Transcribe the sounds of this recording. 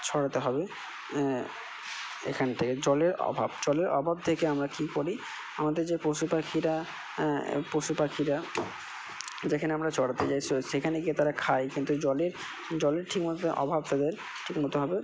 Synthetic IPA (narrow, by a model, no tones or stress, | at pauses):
t͡ɕʰɔɽat̪eɦɔbe | ḛkʰant̪ʰeked͡ʑɔleɾɔ̰bʱabd͡ʑɔleɾɔ̰bʱab̚t̪ʰekeamɾakikoɾi | amad̪eɾd͡ʑepɾoʃupakʰiɾa | pɾoʃupakʰiɾa | d͡ʑekʰaneamɾat͡ɕʰɔɽat̪et͡ɕajʃekʰaneɡiet̪aɾakʰajkint̪ud͡ʑɔleɾ | d͡ʑɔleɾʈʰikmot̪oʔɔ̰bʱab̚t̪ad̪eɾ | ʈʰikmot̪eɦɔbe